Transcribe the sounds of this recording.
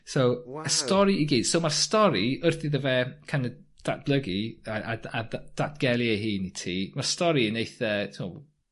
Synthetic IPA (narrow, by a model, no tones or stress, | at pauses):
sowəstɔɾiiɡiːd̥sowmarstɔɾiərθɪðəvɛkʰanə | d̥at̚b̥lˠəɡiaʔaadad̥atɡ̥ɛlˠieɦiːnitʰiːmarstɔɾinejθəːtʰmɔ̰